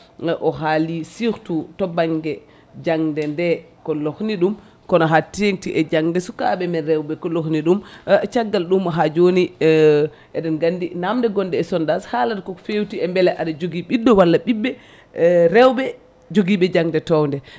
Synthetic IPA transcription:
ʔɔɦalisiɾtutɔbaŋɡɛ | d͡ʒaŋdɛndɛ | kɔlohniɗum | kɔnɔɦatːieŋtiʔɛd͡ʒaŋdɛsukaɓɛmɛnɾɛwɓɛkɔlohniɗumt͡ʃaɡːalɗumɔɦad͡ʒoni | ɛɗɛnɡandinamdɛɡɔndɛːsɔndashaladkɔfewtiɛmbɛlɛʔaɗad͡ʒoɡiɓidːɔwalːaɓibːɛ | ɾɛwɓɛ | d͡ʒoɡiɓɛd͡ʒaŋdɛtɔwndɛ

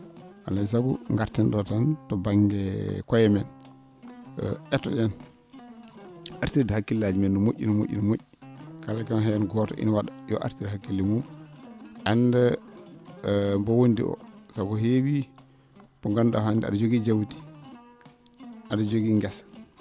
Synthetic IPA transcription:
ʔalas̬aɡṵŋɡaɾtɛnɗɔtantɔbaŋɡɛkɔjɛmɛn | ɔ̰ʔɛtːɔɗɛn | ʔaɾtiɾdhakːilːad͡ʒimɛndɔmoʔʲːḭnɔmoʔʲːḭnɔmoʔːikalakanhajanɡɔtɔ̰ʔḭnwaɗajɔ̰ʔa̰ɾtidɦakːilːɛmum | ʔanːda | mbɔwondḭʔɔ̰saɡuhewi | bɔŋɡanɗɔ̰handia̰ɗad͡ʒoɡid͡ʒawti̥ | ʔadad͡ʒoɡiŋɡɛsḁ

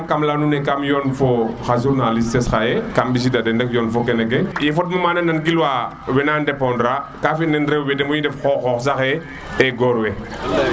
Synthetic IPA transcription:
kamlanunɛkamjɔnfɔxas̬uɾnalistɛsxajɛkambis̬idadɛndɛkjɔnfɔkɛnɛɡɛjɛfɔt̚mɐmanɐnːɐnɡilwa | wɛnandɛpɔndɾakafinɛnɾɛwwɛdɛmɔjidɛfxɔxɔxs̬axɛ | ɛɡɔɾwɛ

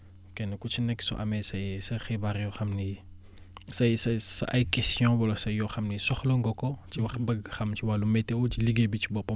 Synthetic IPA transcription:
kɛnkut͡ʃinɛkːsɔ̰ʔɐmɛsɐjsɐxibaɾjɔxɐmni | sɐjsɐsɐ̰ʔɐjkɛstjɔ̃bɔlɐsɐjjɔxɐmnisɔxlɔŋɡɔkɔt͡ʃiwɐxbɐɡxɐmt͡ʃiwalumɛtɛwɔt͡ʃiliɡebit͡ʃibɔpɐ

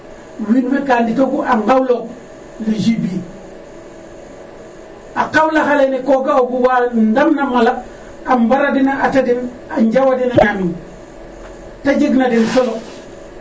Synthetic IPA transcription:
winwekaːndikokuʔaŋɡawlo | liʃibi | akawlaxalenekoɡaoɡuwandamnamala | ambaɾadinaʔatadin | aɲɟawadinaɲami | taɟiɡnadinsolo

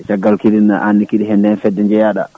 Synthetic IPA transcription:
saɡalkiɾina̰ʔanːikiɗiɦɛndɛnfɛdːɛɲd͡ʒɛjaɗa̰

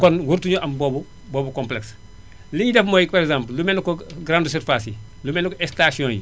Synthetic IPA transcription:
kɔnwuɾtuɲuʔɐmbɔbu | bɔbukɔ̃mplɛks | lijidɛfmɔːjkpaɾɛkzãːmpllumɛnkɔɡɾanduseɾfasi | lumɛnkɔɛkstasiɔ̃ːnji

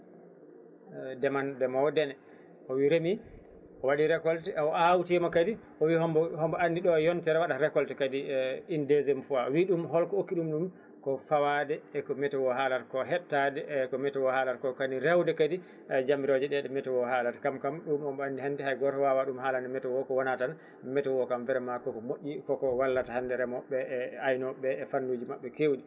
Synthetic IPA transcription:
dɛmandɛmadɛnɛ | ɔwiɾemi | ɔwaɗiɾɛkɔltɛɔawtimakadi | ɔwihɔmbɔhɔmbɔandiɗɔjɔntɛɾɛwaɗaɾɛkɔltɛkadiindezɛmfuaɔwiɗumɦɔlkɔokːiɗumɗum | kɔfawadɛːkɔmɛtɛwɔɦalaɾkɔɦɛtːadɛkɔmɛtɛwɔhaːlaɾkɔkaniɾɛwdɛkadi | d͡ʒamiɾod͡ʒɛɗɛɗɛmɛtɛwɔhalaɾkamkamɗumhɔmbɔandihandiɦajɡɔɾtɔwawaɗumhaːlandɛmɛtɛwɔkɔwɔnatan | mɛtɛwɔkamvɛɾɛmakɔkɔmoʔʲːikɔkɔwalːatahandɛɾɛmɔɓɛajnɔɓɛːfandud͡ʒimaɓːɛkewɗi

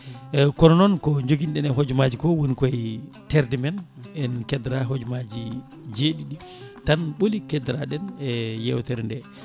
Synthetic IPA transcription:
kɔnɔnɔnkɔɲd͡ʒoɡinɗɛnɛɦod͡ʒmad͡ʒikɔwunikɔj | tɛɾdimɛnɛnkɛdɾaɦod͡ʒumad͡ʒi | d͡ʒeɗiɗi | tanɓolikɛdɾaɗɛnɛjɛwtɛɾndɛ

